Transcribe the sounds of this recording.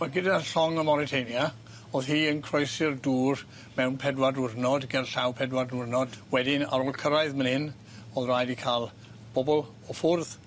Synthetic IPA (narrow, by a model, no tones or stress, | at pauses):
maɡɪdaɬɔŋəmɔɾitʰejnja | oːðhiːənkʰrɔjsɪrduːr | mɛwnpʰɛdwadʊrnɔdɡɛlɬawpʰɛdwadʊrnɔd̥wɛdɪna̰ɾɔːlˠkʰəɾaɨðmənhɪn | ɔðrajdikʰaːlˠ | b̥ɔbɔlˠ | ɔfʊrð